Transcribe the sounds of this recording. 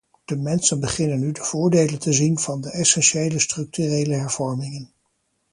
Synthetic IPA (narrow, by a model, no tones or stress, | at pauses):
d̥əmɛnsənbəχɪnənːydəv̥ʊːɹdejləntəzinv̥ɑndəʔɛsɛnʃejləstrɵk̚tyrejləɦɛɹv̥ɔɹmɪŋən